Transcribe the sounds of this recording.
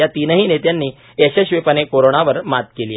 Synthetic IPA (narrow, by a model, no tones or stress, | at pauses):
jat̪inəɦiːnet̪janːiː | eseɕʋepənekoɾoɳaʋəɾmat̪̚keli